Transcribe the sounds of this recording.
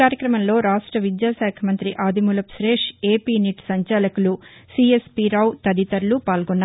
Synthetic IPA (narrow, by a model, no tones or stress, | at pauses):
aːɾjɐkɾɐmɐmlo̞ːɾaːʂʈɾɐʋid̪jaːsaːkʰɐmɐnt̪ɾiʔaːd̪ʱimulɐpsɾeːʂeːpiːniʈsɐɲt͡ʃaːlɐkulusiespiɾɐːwt̪ɐd̪it̪ɐɾulupaːlɡɔnːa